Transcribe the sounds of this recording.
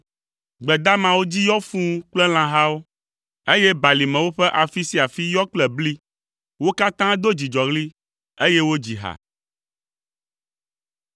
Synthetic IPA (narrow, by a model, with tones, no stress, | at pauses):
ɡ͡bɛ˨d̪a˦mã˨wo˦d͡ʑi˦jɔ˦fũ˦k͡plɛ˦l̃ã˨ɦa˦wo˦ | e˦jɛ˦ba˨li˨mɛ̃˨wo˦ɸɛ˦ʔa˨fi˦si˦a˨fi˦jɔ˦k͡plɛ˨bli˦ | wo˦ka˦t̪ã˦d̪o˦d͡ʑi˨d͡ʒɔ˨ɣli˦ | e˦je˦wo˦d͡ʑi˨ɦa̰˨